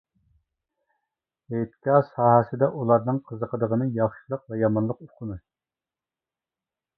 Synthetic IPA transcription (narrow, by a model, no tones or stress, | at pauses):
et̪kʲɑsɑːɦɛsɨd̪ɛʔulˠɑɾnɨŋqʰəzəqʰəd̪əʁənɨjɑχʃilˠəq̚vɛjɑmɑnlˠəqoqʰʊnɨ